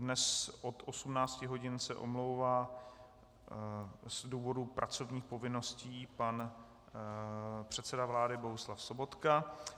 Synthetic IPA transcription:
dnɛsʔot̪ʔosumnaːt͡scɪɦo̞ɟɪnsɛʔo̰mlowvaː | zduːvo̞dupɾʔat͡so̞vɲiːxpo̞vɪno̞sciːpan | pr̝̥ɛt̪sɛdavlaːdɪbo̞ɦuslafso̞bo̞t̪ka

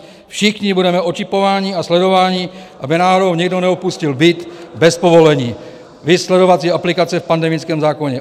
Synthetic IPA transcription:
fʃɪxɲɪbudɛmɛʔot͡ʃɪpo̞vaːɲiːaslɛdo̞vaːɲiːʔabɪnaːɦodowɲɪɡdonɛopuscɪlbɪt̪bɛspo̞vo̞lɛɲiː | vɪslɛdo̞vat͡siːaplɪkat͡sɛfpandɛmɪt͡skɛːmzaːko̞ɲɛ

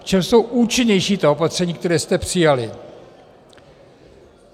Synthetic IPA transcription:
kt͡ʃɛmso̞wʔuːt͡ʃɪɲɛjʃiːt̪aopat̪r̥ɛɲiːk̚t̪ɛɾɛːst̪ɛpr̥ɪjalɪ

